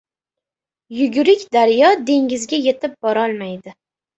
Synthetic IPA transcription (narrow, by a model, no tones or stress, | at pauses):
jʊɡʲʊɾɪkʲd̪aɾjɒd̪e̞ŋʲɪzɡʲaje̞t̪ɪp̚b̥ɒɾɒlˠmajd̪ɪ